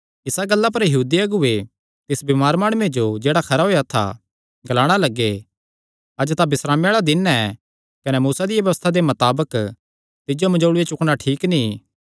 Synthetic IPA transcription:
ɪsaɡɐlːap̬ɐɾjɐɦuːd̪iɐɡʊe | t̪ɪsbɪmaːɾmaːɽ̃ʊmed͡ʒod͡ʒeːɽakʰɐɾaɦoːjat̪ʰa̰ | ɡɐlaːɽ̃alɐɡːe | ɐd͡ʒt̪abɪsɾaːmjaːɭad̪ɪnɛ | kɐnɛmuːsad̪ɪjaʋjɐʋəst̪ʰad̪emɐt̪aːbək | t̪ɪd͡ʒomɐd͡ʒoːɽʊet͡ʃʊkɽnaʈʰiːkni

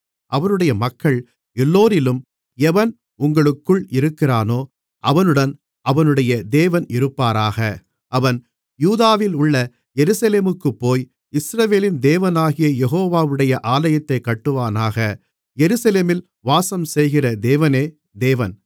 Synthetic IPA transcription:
ʔɐʋɐnɯɽɐjɐmɐkʰːɐɭ | ɛlːoːɾɪlɯm | ɛʋɐn | ʊŋɡɐɭɯkːɯɭɪɾɯkːɪraːnoː | ʔɐʋɐnɯɽɐn | ɐʋɐnɯɽɐjɐd̪eːʋɐnɪɾɯpːaːɾaːɣɐ | ʔɐʋɐn | juːðaːʋɪlʊɭːɐ | ɛɾɯsɐleːmɯkːɯpːoːj | ɪsɾɐʋeːlɪnd̪eːʋɐnaːɣɪjɐjɛɣoːʋaːʋɯɽɐjɐʔaːlɐjɐt̪ːɐɪkːɐʈːɯʋaːnaːɣɐ | jɛɾɯsɐleːmɪl | ʋaːsɐmsɛjɣɪrɐd̪eːʋɐneː | d̪eːʋɐn

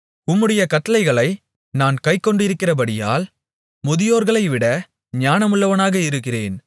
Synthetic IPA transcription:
ʊmːɯɽɐjɐkɐʈːɐlɐɪɣɐɭɐɪ | naːnkɐɪkːɔɳɖɪɾɯkːɪrɐbɐɽɪja̰ːl | mʊðɪjoːɾɣɐɭɐɪʋɪɽɐ | ɲaːnɐmʊɭːɐʋɐnaːɣɐɪɾɯkːɪrḛːn

